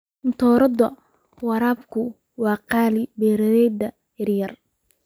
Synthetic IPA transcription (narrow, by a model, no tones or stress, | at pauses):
ɪnt̪ʰɔːɾɐd̪ɐ | wɑɾaːbkʰʊ | wɑːqɑːlɪbɛːɾɐðɛjd̪ɐ | ɐrjɐr